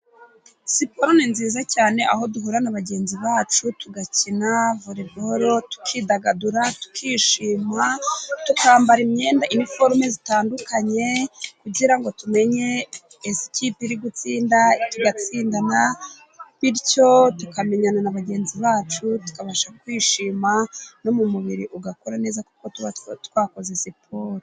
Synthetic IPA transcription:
sipoɾoninziːzacaːne̞ʔa̰ɦo̞duɦuɾanaβaɟe̞ːnziβaːt͡ʃutuɡacinavoɾeboɾo̞tu̥kʰiːdaɡaduɾatu̥kʰiːʃiːmatukaːmbaɾimɲe̞ːndaʔinifo̞ɾmezitaːndukaɲe̞kuɟiɾaŋɡo̞tume̞ɲe̞ | esi̥kipiɾiɡut͡siːndatuɡat͡siːndana | βiɾco̞tukame̞ɲananaβaɡe̞ːnziβaːt͡ʃutu̥kaβaʃakwiːʃimano̞mumuβiɾiʔuɡako̞ɾane̞ːzakuko̞tutkwaːko̞zesipʰoːɾo

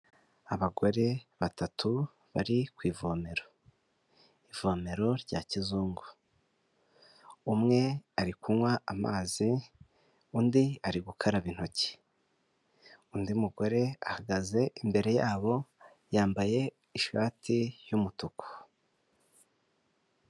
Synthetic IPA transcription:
aβaɡo̞ɾe̞βatatʰu | βa̰ɾikwiːvome̞ɾo | ivomeɾo̞ɾɟaːcizuːŋɡo | umŋe̞aɾikunwaama̰ːzi | undiaɾiɡukʰaɾaβin̥hoci̥ | uːndiumuɡo̞ɾe̞a̰haɡaze̞ʔimbe̞ɾe̞jaːβo̞ | jaːmbaje̞ | iʃaːtʰijumutukʰo̥

